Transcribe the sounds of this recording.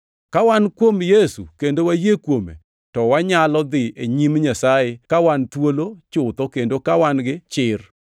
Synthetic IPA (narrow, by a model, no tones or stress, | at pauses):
kawankwomjesṵkendowajekwomḛ | tɔwaɲalɔd̪ɪeɲimɲasajekawant̪wolot͡ʃʊt̪ɔkendokawanɡɪt͡ʃɪr